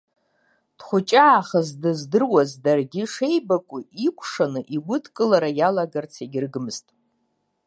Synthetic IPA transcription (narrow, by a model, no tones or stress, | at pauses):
d̥χʷʊt͡ʃʼaːχazdɨzdɨrwazdarɡʲɪʂe̞jbakʷʼʊikʷʰʂanɨʔiɡʷʊdʰkʼɨlaɾajalaɡart͡sʰeɡʲɪrɡɨmɨz̥tʼ